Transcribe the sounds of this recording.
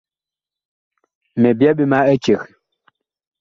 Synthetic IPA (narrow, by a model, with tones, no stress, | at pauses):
mɛ˨bja˦ɓi˦ma˦ɛ˦t͡ʃe˨k